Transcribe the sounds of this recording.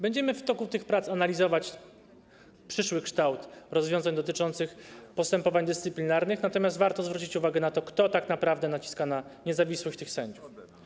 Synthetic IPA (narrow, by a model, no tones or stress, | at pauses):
bɛɲd͡ʑɛmɘft̪ɔkut̪ɘxpɾat̪sanalʲizɔvat͡ɕ | pʂɘʂwɘkʂt̪awt̪ɾɔzvʲjɔ̃zaɲd̪ɔt̪ɘt͡ʂɔnt̪sɘxpɔst̪ɛmpɔvaɲd̪ɘst̪sɘplʲinaɾnɘxnat̪ɔmʲjast̪vaɾt̪ɔzvɾut͡ɕit͡ɕuvaɡɛnat̪ɔkt̪ɔt̪aknapɾavd̪ɛnat͡ɕi̥skanaɲɛzavʲiswɘɕt̪ɘxsɛɲd͡ʑuf